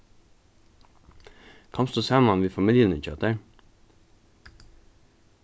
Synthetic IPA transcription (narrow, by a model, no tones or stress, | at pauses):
kʰɑmst̪osæːmɑnʋiːfɑmɪljənʉc͡çʰœt̪əɹ